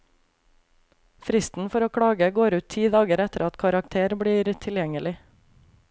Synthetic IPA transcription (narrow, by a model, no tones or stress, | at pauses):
fɾɪst̪n̩fɔɾoːkʰɽɑːɡəɡoːɾʉːt̪ʰiːd̪ɑːɡəɾɛt̪əɾɑt̪kʰɑɾɑkt̪ʰeːɾbɽiːɾt̪ʰɪljɛŋəlɪ